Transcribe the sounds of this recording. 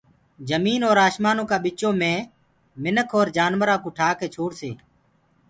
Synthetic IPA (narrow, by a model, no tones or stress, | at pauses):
d͡ʒəmiːnoːɾaːʃmaːnõːkaːɓɪt͡ʃõːmẽː | mɪnəkʰoːɾd͡ʒaːnʋəɾãːkuːʈʰaːkeːt͡ʃʰoːɽsḛː